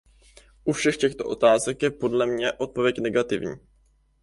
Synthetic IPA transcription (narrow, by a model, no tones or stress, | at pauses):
ʔufʃɛxcɛxt̪o̞̰ʔo̞t̪aːzɛkjɛpo̞dlɛmɲɛʔo̞t̪̚po̞vjɛcnɛɡat̪ɪvɲḭː